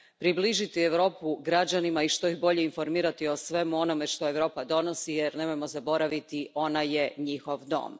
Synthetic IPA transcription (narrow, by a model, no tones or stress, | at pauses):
pɾibliʒit̪ieʋɾo̞ːpuɡɾad͡ʑanimaiʃt̪o̞ixbo̞ʎe̞info̞ɾmiːɾat̪io̞sʋe̞muo̞no̞me̞ʃt̪o̞e̞ʋɾo̞ːpad̪o̞no̞sijeɾnemo̞jmozabo̞ɾaʋit̪iʔo̞naje̞ɲixo̞ʋd̪o̰ːm